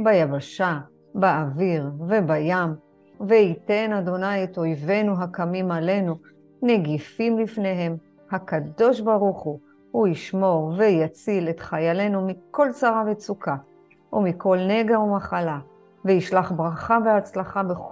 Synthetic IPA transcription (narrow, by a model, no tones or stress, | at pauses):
bajavaʃa | baaviʁve̞bajam | veite̞nad̪o̞najeto̞jve̞nuɦakamimale̞nu | ne̞ɡifimlifne̞ɦe̞m | hakad̪o̞ʃbaʁuχu | huiʃmo̞ʁvejat͡sile̞t̪χajale̞numiko̞lt͡saʁavet͡sukʰa | ʔumikʰo̞lne̞ɡaumaχala | veiʃlaχbʁaχaveat͡slaχabe